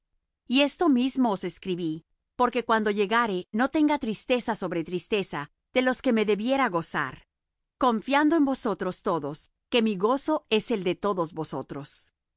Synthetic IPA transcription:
ie̞st̪o̞mizmo̞ːse̞skɾiβi | po̞ɾke̞kwand̪o̞ʝe̞ɣaɾe̞no̞t̪e̞ŋɡat̪ɾist̪e̞saso̞βɾe̞t̪ɾist̪e̞sa | ð̥e̞lo̞ske̞me̞ðe̞βje̞ɾaɣo̞sa̰ɾ | ko̞ɱfjand̪oembo̞so̞t̪ɾo̞st̪o̞ðo̞s | ke̞miɣo̞so̞e̞se̞ld̪e̞t̪o̞ðo̞zβo̞so̞t̪ɾo̞s

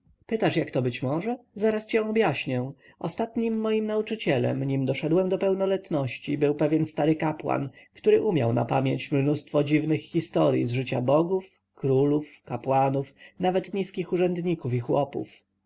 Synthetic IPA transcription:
pɘt̪aʂjakt̪ɔbɘt͡ɕmɔʐɛzaɾast͡ɕɛ̃ɔbjaɕɲɛ | ʔɔst̪at̪ɲimːɔjimnaut͡ʂɘt͡ɕɛlɛ̰mɲimd̪ɔʂɛd̪wɛmd̪ɔpɛwnɔlɛt̪nɔɕt͡ɕibɘwpɛvʲjɛnst̪aɾɘkapwa̰nkt̪uɾɘʔumʲja̰wna̰pamʲjeɲt͡ɕmnust̪fɔd͡ʑivnɘxːʲist̪ɔɾjḭzʐɘt͡ɕabɔɡuf | kɾulufkapwanufnavɛt̪ɲiskʲixuʐɛnd̪ɲikufixwɔpṵf

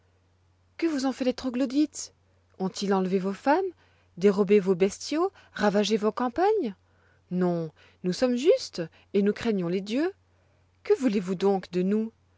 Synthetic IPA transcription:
kəvuzɔ̃fɛlet̪χɔɡlod̪it̪ | ɔ̃t̪ilɑ̃lvevofam | d̪eʁɔbevobɛst̪jo | ʁavaʒevokɑ̃paɲ | nɔ̃ | nusɔmʒyst̪ | enukχeɲjɔ̃led̪jø | kəvulevud̪ɔ̃kd̪ənu

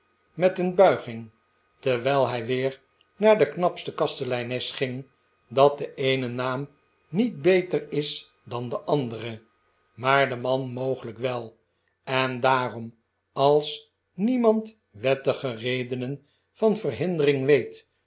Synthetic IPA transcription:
mɛtənbœɥχɪŋ | təʋɛlˠɦɛjʋɪːɹ | naːɹdəknɑpstəkɑstəlɛjnɛsχɪŋ | dɑt̚dəejnənaːm | nit̚bejtərɪs | dɑndəʔɑndərə | maːɹdəmɑnmowχələkʋɛlˠ | ɛndaːrɔm | ɑlˠs | nimɑnt | ʋɛtəχərejdənən | fɑnvərɦɪndərɪŋʋejt

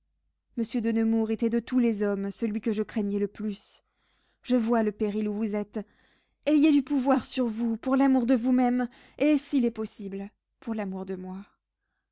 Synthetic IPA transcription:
məsjød̪ənəmuʁet̪ɛd̪ət̪ulɛzɔmsəlɥikəʒəkχɛɲɛləplys | ʒ̥əvwaləpeʁiluvuzɛt̪ | ejed̪ypuvwaʁsyʁvupuʁlamuʁd̪əvumɛm | esilɛpɔsibl | puʁlamuʁd̪əmwa

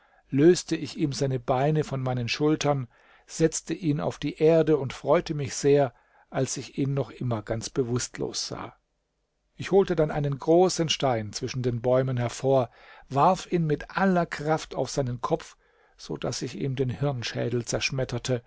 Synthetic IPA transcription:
løːstəɪçiːmzaɪnəbaɪnəfɔnmaɪnənʃʊltʰɐn | z̥ɛt͡stəʔiːna̰ʊfd̥iːʔeːɐdəʊntfʁ̥ɔʏtəmɪçz̥eːɐ | ʔalsɪçiːnːɔχʔɪmɐɡant͡sb̥əvʊstlo̰ːsz̥a̰ː | ʔɪçhoːltədanʔaɪnənɡʁoːsənʃtaɪnt͡sv̥ɪʃn̩deːnbɔʏmənɦɛɐfoːɐ | vaɐfiːnmɪtʔalɐkʁ̥afta̰ʊfz̥aɪnənkʰɔp͡f | z̥o̰ːd̥a̰sɪçḭːmdeːnhɪʁnʃɛ̰ːdl̩t͡sɛɐʃmɛtʰɐtʰə

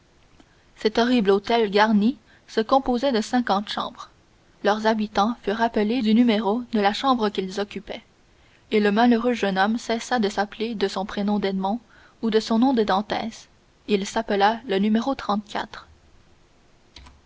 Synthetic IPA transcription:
sɛt̪ɔʁiblot̪ɛlɡaʁni | səkɔ̃pozɛd̪əsɛ̃kɑ̃t̪ʃɑ̰̃ːbʁ | lœʁzabit̪ɑ̃fyʁapəled̪ynymeʁod̪əlaʃɑ̃bʁəkʲilzɔkʲypɛ | eləmaløʁøʒənɔmsɛsad̪əsapled̪əsɔ̃pχenɔ̃d̪ɛd̪mɔ̃ | ud̪əsɔ̃nɔ̃d̪əd̪ɑ̃t̪ɛːs | ilsapəlalənymeʁot̪χɑ̃t̪̚kʲʰa̰t̪χ

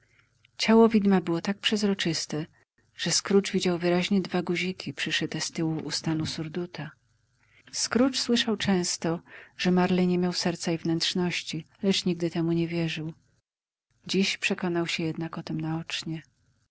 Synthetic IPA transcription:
t͡ɕawɔvʲid̪mabɘwɔt̪ak̚pʂɛzɾɔt͡ʂɘst̪ɛ | ʐ̥ɛskɾut͡ʂvʲid͡ʑawvɘɾaʑɲɛd̪vaɡuʑikʲʰipʂɘʂɘt̪ɛst̪ɘwuʔːst̪anusuɾd̪ut̪ʰa | skɾut͡ʂswɘʂawt͡ʂɛ̃w̃st̪ɔʐ̥ɛmaɾlɛɲemʲjawsɛɾt̪saivnɛntʂnɔɕt͡ɕi | lɛt͡ʂɲiɡ̚d̪ɘt̪ɛmuɲɛvʲjɛʐɘw | d͡ʑiɕpʂɛkɔnawɕɛjɛd̪nakɔt̪ɛmnaɔt͡ʂɲɛ

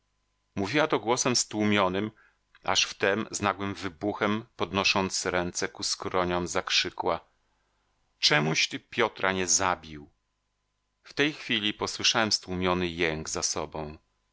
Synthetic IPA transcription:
muvʲiwat̪ɔɡwɔsɛmst̪wumʲjɔnɘm | a̰ʂft̪ɛmznaɡwɘmvɘbuxɛmpɔd̪nɔʂɔnt̪sɾɛnt̪sɛkuskɾɔɲɔmzakʂɘkwa | t͡ʂɛmuɕt̪ɘpʲjɔt̪ɾʔaɲɛzabʲiw | ft̪ɛjxfʲilʲipɔswɘʂawɛmst̪wumʲjɔnɘjɛŋɡzasɔbɔ̃w̃

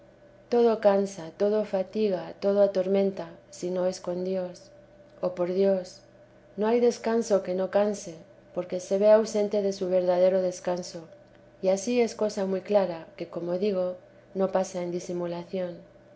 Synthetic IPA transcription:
t̪o̞ð̞okansat̪o̞ð̞ofat̪iɣ̞at̪o̞ð̞oat̪o̞ɾmẽ̞nt̪asino̞e̞sko̞nd̪jo̞s | opo̞ɾðjos | noajðe̞skansoke̞nokanse | po̞ɾke̞se̞β̞e̞awse̞nt̪e̞ðe̞suβ̞e̞ɾðað̞eɾoð̞e̞skanso̞ | iasie̞sko̞samujklaɾake̞komo̞ðiɣ̞o̞ | no̞pasaend̪isimulaθjo̞n

